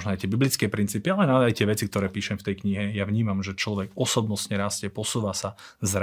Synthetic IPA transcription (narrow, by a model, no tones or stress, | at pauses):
ʒnɔajt̪ɪɛbiblit͡skɛːpɾint͡siːpialɛnazajt̪ɪɛʋɛt͡sik̚t̪ɔɾɛːpiːʃɛmft̪ɛjkɲiɦɛjaʋɲiːmamʒɛt͡ʃlɔʋɛɡɔsɔbnɔsɲɛɾaːscɛpɔsuːʋasa | zɾ